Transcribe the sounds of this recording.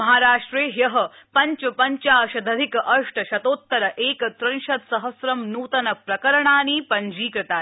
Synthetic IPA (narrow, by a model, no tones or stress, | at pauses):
ɐɦaːɾaːʂʈɾeːjɐɦɐ̆ | pɐɲt͡ʃɐpɐɲt͡ʃaːʃɐd̪ʱɐd̪ʱikɐʔɐʂʈɐʃɐt̪oːt̪ːɐɾɐʔeːkɐt̪ɾɐnʃɐt̪sɐɦɐsɾɐmnuːt̪ɐnɐpɾɐkɐɾɐɳaːniːpɐɲd͡ʒiːkɾɐt̪aː